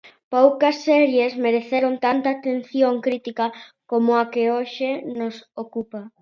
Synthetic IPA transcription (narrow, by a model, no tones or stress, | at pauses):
powkɐsːɛɾjesmeɾeθeɾont̪ant̪aːt̪en̟θjoŋkɾit̪ikɐkomʊakeoʃenosokupɐ